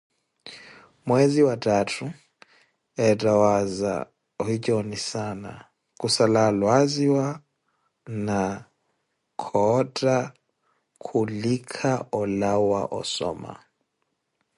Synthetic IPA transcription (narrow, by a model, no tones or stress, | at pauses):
mweziwatʰʼatʰu | ɛtʼawaza̰ | ɔhit͡ʃʼɔnisana̰ | kʼusalalwaziwa | na | kʰɔtʼa | kʰulikʰaʔɔlawa̰ʔɔ̰sɔ̰ːma̰